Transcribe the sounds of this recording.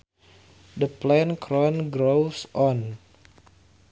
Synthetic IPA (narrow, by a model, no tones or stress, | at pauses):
dəplɛnkʰɾɔnɡɾowsɔn